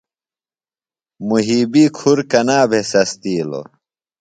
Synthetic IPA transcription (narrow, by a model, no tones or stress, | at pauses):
muɦiːbikʰuɾkɐnaːbʱesɐst̪iːlo̰